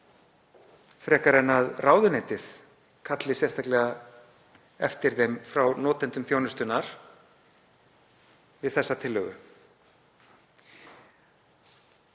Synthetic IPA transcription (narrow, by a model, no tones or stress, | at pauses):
θɾɛːhkaɾɛnːaðrʔaːwðʏnet̪ɪð̥ | kʰat̪lɪsjɛst̪aklɛɣa | ɛft̪ɪɾ̥θejmfɾawnɔːt̪ɛnt̪ʏmθjoːwnʏst̪ʏnaɾ̥ | vɪðθɛsːat̪ʰɪlːœɣʏ